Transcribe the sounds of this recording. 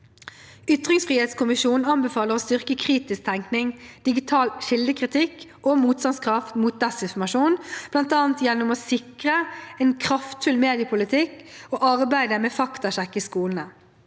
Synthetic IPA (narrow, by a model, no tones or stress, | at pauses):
ʏt̪ʁɪŋsfʁiːheːt̪skʊmɪʃuːn̩ɑnbɛfɑːləʁɔst̪ʏʁkəkʰʁiːt̪ɪsk̚t̪ʰɛŋknɪŋd̪̥ɪɡɪt̪ʰɑːlʃɪld̪əkʰʁɪt̪ʰɪkː | omuːt̪st̪ɑnskʰʁɑft̪muːt̪̚d̪ɛsɪnfɔmɑʂuːnb̥lɑnt̪ɑːnt̪jɛnːɔmɔsɪkʁəɛnkʰʁɑft̪fʉlmeːd̪ɪəpʰʊlɪt̪ʰɪkːoːʔɑʁbæɪd̪əmɛːfɑkt̪ɑɕɛkːɪskuːln̩ə